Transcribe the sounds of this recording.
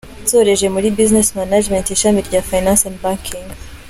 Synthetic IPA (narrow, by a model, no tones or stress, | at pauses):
toɾeʒemuɾibiznesmanad͡ʒmẽnteʃamiɾɟafajnãnsandbaŋkʰiŋɡ